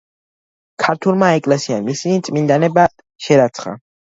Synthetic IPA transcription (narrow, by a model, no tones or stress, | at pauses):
kʰaɾt̪ʰulˠmaɛkʼlɛsiamisinit̪sʼmind̪anɛba | ʃɛɾat̪sʰχa̰